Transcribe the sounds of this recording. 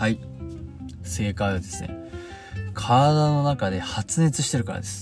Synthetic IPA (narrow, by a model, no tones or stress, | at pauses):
hai | se̞ːkaiβad̪e̞sɨne̞̰ | kʰad̪ano̞nakad̪e̞hat͡sɨɲ̟it͡sɨɕi̥t̪e̞ɾɯ̟ka̰ɾa̰d̪esɨ̥